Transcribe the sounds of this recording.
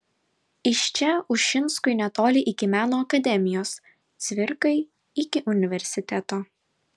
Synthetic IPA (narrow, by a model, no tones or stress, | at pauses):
ɪʃʲt͡ʃʲɛʊʃʃʲɪnˑskʊɪnʲɛt̪oːlʲɪʔɪkʲɪmʲæːnoːɐkɐd̪ʲɛmʲɪjoːs | t̪sʲʋʲɪɾkɐɪ | ɪkʲɪʔʊnʲɪʋʲɛɾʲsʲɪt̪ʲɛt̪oː